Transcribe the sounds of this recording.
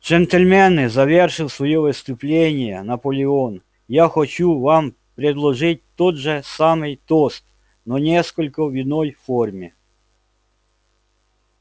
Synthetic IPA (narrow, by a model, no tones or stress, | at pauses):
d͡ʒɛnt̪elʲmɛnɪzɐʋʲɛrʃɪwsʋɔjɔʋɪst̪ʊplʲɛnʲijɐnɐpɔlʲɪɔn | jaxɔt͡ʃʲuʋɑm | pɾʲed̪lˠɔʒɪt̚ʲt̪ɔd̪ʒɛsɑmɪjt̪ɔst̪ | nɔnʲɛskɔlʲkɔʋʲid̪nɔjfɔrmʲi